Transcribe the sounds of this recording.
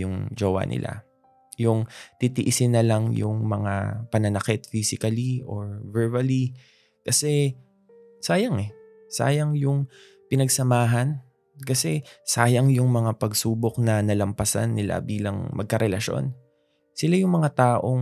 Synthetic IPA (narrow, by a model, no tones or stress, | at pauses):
jʊŋd͡ʒoːwa̰nɪ̰lʔa̰ | jʊŋt̪it̪iʔɪsɪnɐlɐŋjʊ̰ŋmɐŋa̰pɐnɐnɐkɪt̪̚fisɪkɐliʔoɹvɛɹbɐli | kɐsɛ | saːjɐŋɛ | sa̰ːjɐŋjʊŋ | pɪnɐɡsɐmaːɦɐn | kɐsɛsaːjɐŋjʊŋmɐŋapɐɡsuːbok̚nɐnɐlɐmpɐsa̰nːɪla̰biːlɐŋmɐ̰ɡ̚kɐɾɛlɐʃo̞̰n | sɪlajʊŋmɐŋat̪aːʔo̞